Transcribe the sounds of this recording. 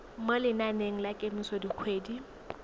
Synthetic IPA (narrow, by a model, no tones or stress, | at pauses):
molɪnaneŋ̩lakʼemisɔdikʰweːdi